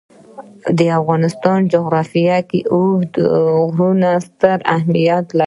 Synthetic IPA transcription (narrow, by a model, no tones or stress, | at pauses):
d̪əafɣɑnɪst̪ɑnd͡ʒoɣɾɑfijakeʔuhd̪ɣɾunast̪əɾahmijat̪la